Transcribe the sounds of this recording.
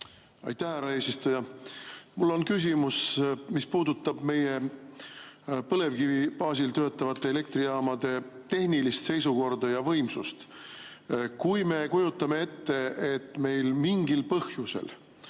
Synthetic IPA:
ɑ̰jt̪ːæhhæɾɑe̞ːsist̪ujɑ | mulːo̞nkys̬ʲimusmispuːd̪ut̪ːˑɑb̥me̞je̞ | pɤle̞vkivib̥ɑːsilt̪ø̞ːt̪ːˑɑvɑt̪ˑːe̞ele̞k̚t̪ɾijɑːmɑd̪e̞t̪e̞hnilist̪se̞jsuko̞rd̪ɑjɑvɤ̞jmsust̪ | kujme̞kujut̪ːˑɑme̞e̞t̪ːe̞et̪ːme̞jlmiŋɡilpɤhjuse̞̰l

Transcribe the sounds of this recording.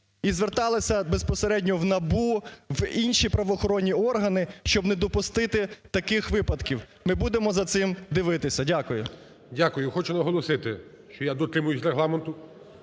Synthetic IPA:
izʋert̪ɑlˠɪsʲɐbespɔseɾɛdʲnʲɔwnɐbuwinʲʃipɾɐʋɔxɔɾɔnʲːiɔrɦɐnɪʃt͡ʃɔbnɛd̪ɔpʊst̪ɪt̪ɪt̪ɐkɪxʋɪpɐd̪kʲiw | mɪbud̪emɔzɐt̪sɪmd̪ɪʋɪt̪ɪsʲɐdʲakʊjʊ | dʲakʊjʊxɔt͡ʃʊnɐɦɔlˠɔsɪt̪ɪ | ʃt͡ʃɔjad̪ɔt̪ɾɪmʊjʊsʲrɾeɦlˠɑment̪ʊ

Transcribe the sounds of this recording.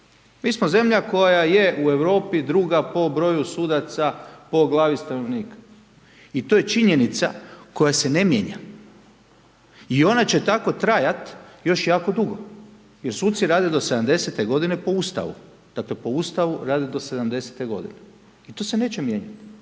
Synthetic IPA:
miːsmoze̞mʎako̞jajajeueʋɾo̞ːpid̪ɾuːɡapo̞bɾo̞jusuːd̪at̪sapo̞ɡlˠaːʋist̪ano̞ʋniːkḁ | it̪ojet͡ʃiɲe̞nit̪sa̰ko̞jase̞nemjeɲa̰ | io̞nat͡ɕe̞t̪ako̞t̪ɾajat̪jo̞ʃjaːko̞d̪uɡo | jeɾsuːt̪t̪siɾaːd̪ed̪o̞se̞d̪amd̪ese̞t̪e̞ɡo̞d̪ine̞po̞uːst̪a̰ʋṵ | d̪̥akle̞po̞ust̪aʋuɾaːd̪e̞d̪o̞se̞d̪amd̪e̞se̥t̪e̞ɡo̞̰d̪ḭne | it̪o̞se̞ne̞ːt͡ɕemjeːɲat̪

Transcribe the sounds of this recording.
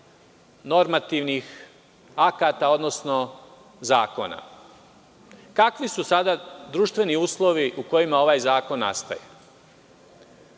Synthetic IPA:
no̞ɾmat̪iʋnix | akat̪ao̞d̪no̞sno̞ | zaːko̞̰na̰ | kakʋisusad̪ad̪ɾuːʃt̪ʋe̞niuːslˠo̞ʋiʔuko̞jimao̞ʋaːjzaːko̞nːa̰st̪a̰jḛ

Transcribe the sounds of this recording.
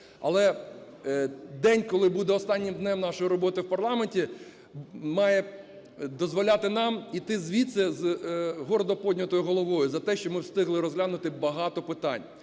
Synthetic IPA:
ɐ̰lˠɛ | d̪ɛnʲkɔlˠɪbud̪ɛɔst̪ɑnʲːimd̪nɛmnɑʃɔjɾɔbɔt̪ɪwpɐrlˠɑmenʲtʲi | mɑjɛ | d̪ɔzʋɔlʲat̪ɪnɑmit̪ɪzʋʲit̪sɛzɦɔɾɔd̪ɔpɔdʲnʲɐt̪ɔjʊɦɔlˠɔʋɔjʊzɐt̪ɛʃt͡ʃɔmɪwst̪ɪɦlˠɪɾɔzɦlʲanʊt̪ɪbɐɦɑt̪ɔpɪt̪ɑ̰nʲ

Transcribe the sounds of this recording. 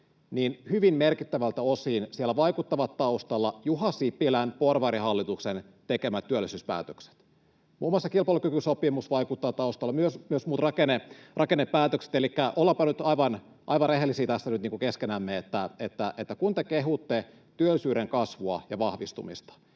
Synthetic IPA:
niːnhyʋimmerkit̪ːæʋælt̪æosiːnsielːæʋɑikut̪ːɑʋɑt̪ːɑust̪ɑlːɑjuhɑsipːilænporʋɑɾihɑlːit̪uksen | t̪ekemæt̪tːyølːisyːspæ̰ːt̪økse̥t̪ | muːmːoɑsːɑkilpɑˑlukykysopimusʋɑikut̪ːɑʋt̪ɑust̪ɑlːɑmyøsmyøsmuːt̪rɑkenerʔɑkenːepːæːt̪økse̥t̪elikːæʔolːɑpɑnyt̪ɑiʋɑn | ʔɑ̰iʋɑnreɦelːˑisiːt̪æsːænyt̪niːŋkukeskenæːmːeet̪ːæet̪ːæʔet̪ːækunt̪ekeɦut̪ːe | t̪yølːisyːɾeŋkɑsʋuɑ̰jɑʋɑhʋist̪umḭst̪ɑ̥

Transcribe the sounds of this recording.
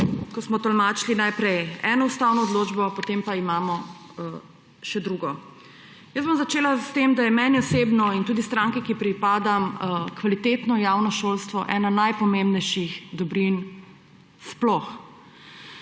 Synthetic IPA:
kɔsmɔt̪ɔlmaːt͡ʃlinajpɾɛjɛːnɔust̪aːwnɔːd̪loːd͡ʒbɔpɔt̪empaimaːmɔ | ʃɛd̪ɾuːɡɔ | jəsbomzat͡ʃeːlast̪emd̪ajɛmɛnjɔsebnɔint̪uːd̪ist̪ɾaːŋkɛkipɾipaːd̪amkʋalit̪et̪nɔjaːwnɔʃolst̪ʋɔ̰ʔɛːnanajpɔmẽmbnɛjʃixd̪ɔbɾin | splɔx

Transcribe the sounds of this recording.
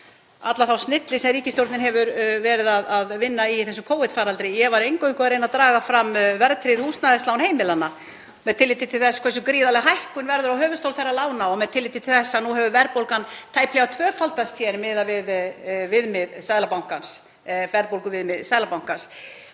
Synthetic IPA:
at̪laθawsnɪt̪lɪsɛmriːcɪst̪jowɾt̪nɪnɦɛvʏɾvɛːɾɪðaðaðvɪnːaiθɛs̬ʏmkʰoːwhɪt̪faːɾalt̪ɾɪjɛɣvaɾejŋkœikʏaðɾejnat̪ɾaːɣafɾamvɛɾt̪ʰɾɪðhust̪naðɛstlawnheːjmɪlanːa | mɛðt̪ʰɪlɪːt̪ːɪt̪ʰɪlθɛsːḁkʰvɛs̬ʏkɾiːðalɛɣaɦajhkʏnvɛɾðʏɾawɦœːvʏst̪owlθerːalaːwnaɔɣmɛðt̪ʰɪlːɪːt̪ɪt̪ʰɪlθɛsːanuɦɛvʏvɛɾpowlkant̪ʰaːjplɪɣawt̪ʰvœːfalt̪ast̪ʰjɛɾmɪðavɪðvɪðmɪðsaðlapawŋ̥kans | vɛɾpowlkʏvɪðmɪðsajðlapawŋ̥kans

